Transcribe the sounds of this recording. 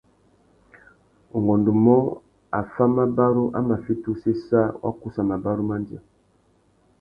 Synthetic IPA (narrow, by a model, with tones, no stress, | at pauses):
o˨ŋɡɔ˨ndo˨mɔ˦ | a˨fa˦ma˦ba˦ɾu˦ʔa̰˦ma˨fi˦tu˦se˦sa˦wa̰˦ku˦sa˨ma˨ba˦ɾu˦ma˦ndi˨a˨